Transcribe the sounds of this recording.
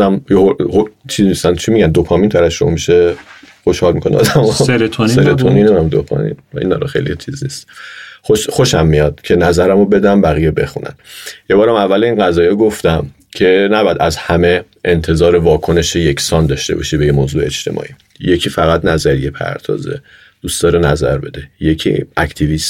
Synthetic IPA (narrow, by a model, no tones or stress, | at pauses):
æmjeoot͡ʃʰiznist̪ænt͡ʃʰimiɟænd̪opʰɒmiːnt̪ʰæɾæfʃomɒ̰miʃeχoʃhɒːlmikʰoneɒ̰d̪æmosɾt̪ʰnseɾet̪ʰonineæmd̪o̰pʰɒ̰mḭnḭnɒ̰ɾɔxḛjlḭt͡ʃʰiznist̪oʃxoʃæmːijɒd̪̥cʰe̞næzæɾæmobe̞d̪æmbæɣijebexunæ̰njebɒːɾæmævːælinɢæzɒːjeɡoft̪æm | cʰe̞næbɒjæd̪æzhæme̞ | ent̪ʰe̞zɒːɾevɒːkʰo̞ne̞ʃejekʰsɒːnd̪ɒːʃt̪e̞̰bɒ̰ʃibejemoːzuːeet͡ʃt̪ʰe̞̰mɒ̰ːʔḭ | jecʰiːfæɣæt̪næzæɾije̞pʰæ̰ɾt̪ʰɒ̰ːzḛ | d̥ustd̪ɒːɾenæzæ̰ɾbe̞d̪ejecʰḭæcʰt̪ʰivist̪